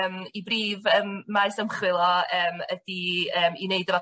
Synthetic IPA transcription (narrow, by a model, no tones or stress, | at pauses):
mibriːvəːmːaɨsəmχwɪlˠɔəːmədiəːmineɨdəva